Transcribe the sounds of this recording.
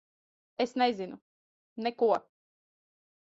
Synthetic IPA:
ɛsnajzinu | nɛkua

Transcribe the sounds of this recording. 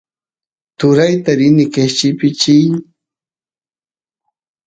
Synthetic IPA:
t̪ʊɾajt̪aɾɪnɪket͡ʃɪpɪt͡ʃɪj

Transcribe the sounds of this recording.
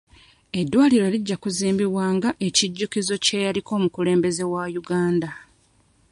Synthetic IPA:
e̞dːwaːliɾo̞liɟːakuziːmbiβwaːŋɡaʔe̞ciɟːukizo̞ce̞jaliko̞ːmukule̞ːmbe̞ze̞wajuɡaːnda

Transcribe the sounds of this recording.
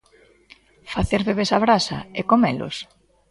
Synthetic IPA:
faθeɾβeβ̞esaβɾasa̰ekomelʊ̰s

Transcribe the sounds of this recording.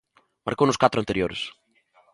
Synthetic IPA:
ma̰ɾkownʊskat̪ɾʊant̪eɾjoɾɪ̰s

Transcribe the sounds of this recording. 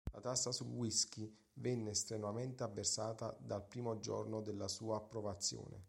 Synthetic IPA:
la̰t̪asːasulwisk̟i | vɛnːeːst̪ɾemament̪eavːersaːt̪ad̪alpɾiːmod͡ʒo̰rnod̪elːasuːaːpːɾovat̪sːjo̰ːnḛ

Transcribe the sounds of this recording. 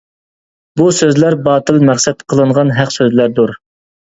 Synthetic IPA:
busøzlæɾbɑːt̪ɨlmæχsɛt̪qʰəlˠɨɴʁɑnɦæqsøzlæɾd̪uɾ

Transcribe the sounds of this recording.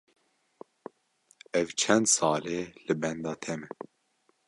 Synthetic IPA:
ɛvt͡ʃʰɛnd̪sɑːleːlɨbɛnd̪ɑːt̪ʰɛmɛ

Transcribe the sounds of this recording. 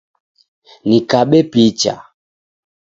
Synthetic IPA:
nikaɓɛpit͡ʃa̰

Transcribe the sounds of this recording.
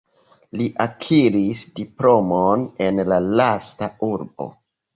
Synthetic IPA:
liʔakʰiɾisdiplo̞mone̞nlalastauɾbo̞̰

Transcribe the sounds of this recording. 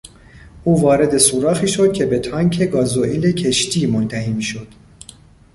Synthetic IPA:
ʔuːvɒːɾe̞d̪e̞suːɾɒːxiːʃo̞d̪̥̚cʰʲe̞be̞t̪ʰɒːŋcʰeɡɒːzoʔilecʰe̞ʃt̪ʰiːmont̪ʰæhiːmiːʃod̪̥

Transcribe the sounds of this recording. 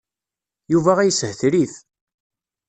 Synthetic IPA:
juvæʁæjəshθɾiθ

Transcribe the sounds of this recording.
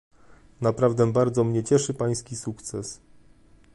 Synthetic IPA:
napɾavd̪ɛbaɾd̪zɔmɲɛt͡ɕɛʂɘpaj̃skʲisukt̪sɛs

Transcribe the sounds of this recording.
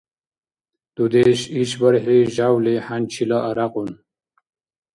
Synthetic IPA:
d̪ud̪eɕiɕbɐɾɦiʑawlehant͡ɕʰilaʔɐɾaqun

